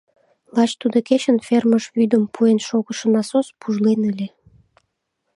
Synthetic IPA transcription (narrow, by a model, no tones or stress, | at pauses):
lˠɑt͡ɕt̪ud̪okeɕənferməʃβyd̪əmpʰuenʃoɣəʃə̆nɑsospʰuʒlenəlʲe